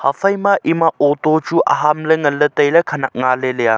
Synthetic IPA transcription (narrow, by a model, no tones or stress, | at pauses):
hafʰɐjmaʔimaotot͡ʃuʔa̰ɦamləŋɐlːətɐjlɐkʰɐnak̚ŋaleleja